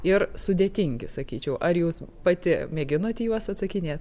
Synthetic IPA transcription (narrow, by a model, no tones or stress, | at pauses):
ɪɾsʊd̪ʲeːt̪ʲɪŋʲɡʲɪsɐkʲiːt͡ʃʲɛʊʔɐɾjuːspɐt̪ʲɪmʲeːɡʲɪnoːt̪ʲːjuɔsɐt̪sɐkʲɪnʲeːt̪